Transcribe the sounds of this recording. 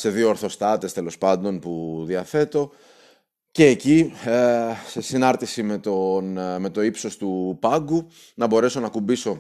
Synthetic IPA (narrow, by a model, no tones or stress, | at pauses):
se̞ðioːɾθo̞st̪ɐt̪e̞st̪e̞lo̞spɐnd̪o̞npuðiɐθe̞t̪o̞ | ce̞ːci | sesinɐɾt̪isimet̪onme̞t̪o̞ipso̞st̪upɐɡu | nɐbo̞ɾe̞so̞nɐkumbiso̞